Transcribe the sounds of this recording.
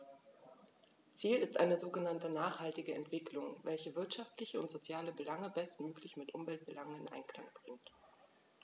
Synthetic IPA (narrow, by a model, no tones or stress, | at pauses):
t͡siːlɪstʔa̰ɪnəzoːɡənantənaːχhaltɪɡəɛ̰ntv̥ɪklʊŋvɛlçəvɪɐtʃaftlɪçəʊntz̥ot͡sjaːləbəlaŋəbɛstmøːklɪçmɪtʔʊmvɛlt̚b̥əlaŋənɪnʔa̰ɪnkl̥a̰ŋb̥ʁɪŋt